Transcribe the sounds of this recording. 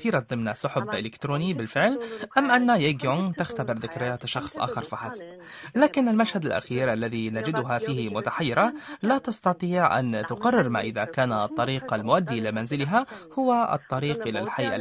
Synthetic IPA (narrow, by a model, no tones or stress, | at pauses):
iːɾat̪̚d̪ˤɪmnasʊħʊbʔɪ̰lɪkt̪ɾoːnibɪlfɪʕlʔamːʔanːajeːɡjʊŋt̪axt̪abɪɾðɪkɾɪjaːt̪ʃɑxsˤʔa̰ːxɪɾˤfaħasḁb | laːkɪnɪlmaʃhad̪alʔa̰xiːɾʔalːaðinad͡ʒɪd̪ʊɦafiːhɪmʊt̪aħajːɪɾalat̪ɑst̪ɑt̪ˤiːʕʔa̰nt̪ʊqɑrˤːɪɾma̰ːʔɪðakaːnat̪ˤːɑɾiːqalmʊʔad̪ːilamanzɪlɪɦahʊwaʔɨ̰t̪ˤːɑɾiːqʔɪlalħajʔa̰